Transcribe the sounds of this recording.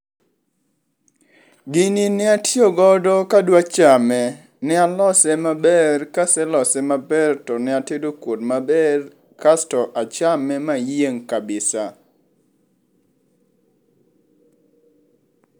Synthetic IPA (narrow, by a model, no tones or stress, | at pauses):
ɡininɪatioɡɔdɔkadwat͡ʃamɛ | nɪalɔsɛmabɛrkasɛlɔsɛmabɛrtɔnɪatedokwodmabɛr | kastɔʔat͡ʃamɛmajeŋkabɪsa